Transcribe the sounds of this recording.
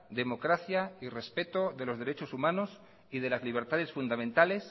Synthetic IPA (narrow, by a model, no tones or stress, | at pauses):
d̪e̞mo̞kɾaθjaire̞spe̞t̪o̞ðe̞lo̞zðe̞ɾe̞t͡ʃo̞sumãno̞s | ið̞e̞lazliβ̞e̞ɾt̪að̞e̞sfund̪amẽnt̪ale̞s